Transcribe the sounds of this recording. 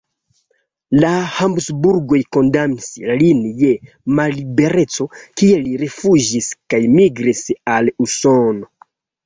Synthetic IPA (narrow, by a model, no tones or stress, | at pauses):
lahambsbuɾɡo̞jko̞ndamislinje̞ | malibe̞ɾe̞t͡so̞kieliɾefud͡ʒiskajmiɡɾisalusono̞